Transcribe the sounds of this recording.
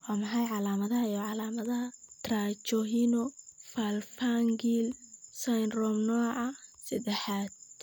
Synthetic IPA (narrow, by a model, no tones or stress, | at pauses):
waːmɐħɑjʕɑlaːmɐðɐɦɐjɔʕɑlaːmɐðɐɦɐt̪ʰraːt͡ʃɔɦinɔfalfaŋɡilsajnrɔmnɔːʕɑsɐd̪ɛħaːd̪̚